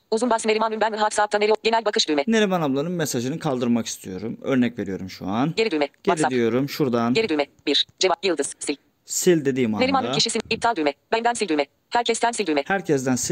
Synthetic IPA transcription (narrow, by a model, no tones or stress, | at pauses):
uzunbasɯneɾimanynbæniɾɦafsap̚t̪ʰaneiɟenælʲbakʰɯʃd̪ymɛne̞ɾimanablˠanɯnmesaʒɯnɯkʰalˠd̪ɯɾmaki̥st̪ʰijo̞ɾumøɾnɛcve̞ɾijo̞ɾumʃṵanɟeɾid̪ymɛɟ̥eaɾiad̪ijo̞ɾumʃuɾd̪anɟeɾid̪ymɛbiɾd͡ʒevapjɯlˠd̪ɯz̥silʲ | silʲd̪ed̪iːmaneɾimanʰiʃisinip̚t̪ʰalˠd̪ymɛbænd̪ænsilʲd̪ymɛ | hæɾcʰɛst̪ʰɛmsilʲd̪ymɛhæɾcʰɛzd̪ænsi